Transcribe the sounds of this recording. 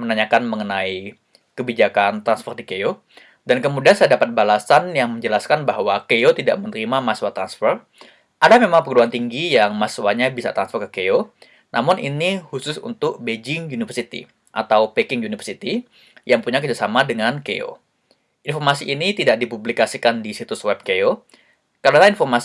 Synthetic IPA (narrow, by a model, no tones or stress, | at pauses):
mənaɲakanməŋənai | kəbid͡ʒakant̪ɾansfərdikeo | dankəmudiansajadapat̪̚balasanjaŋməɲd͡ʒəlaskanbaɦwakeot̪ida̰ʔmənəɾimamaswat̪ɾansfər | ʔadamemaŋpəɡuduant̪iŋɡijaŋmaswaɲabisa̰t̪ɾansfɔrkəkeo | nʔamʊninihusʊsṵnt̪ʊk̚bed͡ʒɪŋjunifərsit̪ḭ | ʔa̰t̪awpekɪŋjunifərsit̪i | jaŋpuɲakərd͡ʒasamadəŋankḛo̰ | infɔrmasiʔinit̪idaʔ̚dipublikasikandisit̪uswɛb̚keo | karanainfɔrma